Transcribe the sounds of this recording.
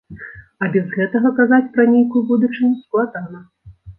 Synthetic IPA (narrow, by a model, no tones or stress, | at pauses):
ɐbʲɛzɣɛt̪ɐɣɐkazat͡sʲpɾɐnʲejkujubud̪ut͡ʂɨnʲusklˠad̪anɐ